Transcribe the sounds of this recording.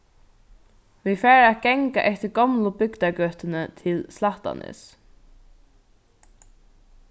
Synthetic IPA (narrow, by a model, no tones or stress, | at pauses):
vifɛːɾat̪̚ɡɛŋka̰ʔɛht̪ɪɾɡɔmlʊbʏkt̪akœt̪ɪnɪt̪ʰɪlslaht̪a̰nʔɪ̰s